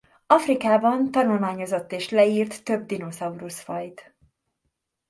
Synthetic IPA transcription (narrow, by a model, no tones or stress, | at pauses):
ɒfrikaːbɒnt̪ɒnulmaːɲo̞zo̞t̪ːeːʃlɛiːrt̪ːø̞bd̪ino̞zɒuɾusfɒjt̪